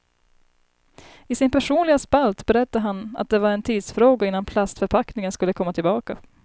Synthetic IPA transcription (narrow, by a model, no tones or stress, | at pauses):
ɪsɪnpʰæʂuːnlɪɡaspalt̪bɛɾɛt̪ːaɦana̰t̪̚d̪ɛvaɾɛnt̪ʰiːd̪sfɾoːɡaɪnːanpʰlast̪fœɾpʰaknɪŋənskɵlːəkʰɔmːat̪ʰɪlbɑːka